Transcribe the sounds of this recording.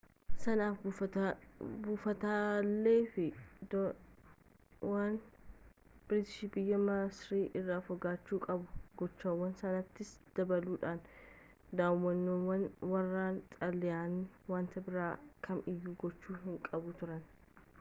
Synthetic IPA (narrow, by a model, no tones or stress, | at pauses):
sɐnaːf | buːfɐt̪aːlːe̞ːfɪd̪ | waːn | b̥ɪɾɪt̪ɪ̥ʃibɪjːɐmaːsɾiːʔɪrːaːfɔɡaːt͡ʃːuːkʼɐbʊɡɔt͡ʃːaːwːɐnsɐnɐt̪ːɪsd̪̥ɐbɐluːᶑaːn | d̪aːwɐnːoːwɐnwɐrːaːnt̪ʼɐlːɪjaːnːɪwaːnt̪ɐbɪɾaːkʰɐmɪjːuːɡɔt͡ʃːuːɦɪŋkʼɐbʊt̪ʊɾɐn